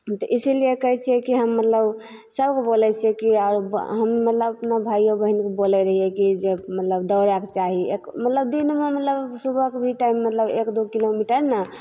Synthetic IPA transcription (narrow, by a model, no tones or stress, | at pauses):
t̪ɔʔisiliekəɦɛt͡ʃʰiɛkiɦəmːət̪ləb | səbkebolɛt͡ʃʰiɛkiaɾɦəmmət̪ləbəpnabʱajobəɦinkebolɛɾəɦijɛkid͡ʒemət̪ləbd̪əɾaket͡ʃaɦiekmət̪ləb̚d̪inmemət̪ləbsubʱəkebʱiʈaimːət̪ləbekd̪ukilomiʈəɾnə